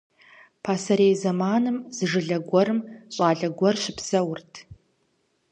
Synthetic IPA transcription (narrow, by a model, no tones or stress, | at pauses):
pʰaːsɐɾejzɐmaːnɨmz̥ɨʐɨɮɐɡʷɔɾɨmɕʼaːɮɐɡʷɔrɕɪpsɐwʊrtʰ